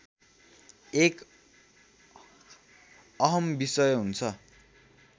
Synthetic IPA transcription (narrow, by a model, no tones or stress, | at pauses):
ek | ʌɦʌmbisʌjɦunt͡sʰʌ